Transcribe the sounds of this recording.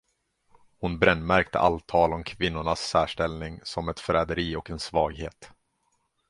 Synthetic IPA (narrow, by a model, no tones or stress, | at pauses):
hʊnbɾɛnːmæɾkt̪ə̰ʔa̰lt̪ʰɑːlɔmkʰvɪnːʊɳasːæːʂʈɛlnɪŋsɔmɛt̪fɾɛːd̪əɾiːɔkɛnsvɑːɡhḛːt̪